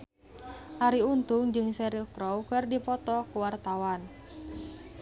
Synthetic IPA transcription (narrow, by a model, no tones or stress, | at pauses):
ʔaɾiunt̪ʊŋd͡ʒɨŋsɛɾilkɾɔwkərdipɔt̪ɔkuwart̪awan